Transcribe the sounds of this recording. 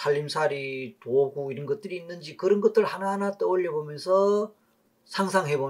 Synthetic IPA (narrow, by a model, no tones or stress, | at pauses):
saʎːimsʰaɾitoɡuiɾʌnɡʌt̚t͈ɯɾiːnːɯnd͡ʑikɯɾʌnɡʌt͈̚ɯɭhanaɦanat͈ʌoʎːʌbomjʌnsʰʌ | sʰaŋsʰaŋɦe̞bo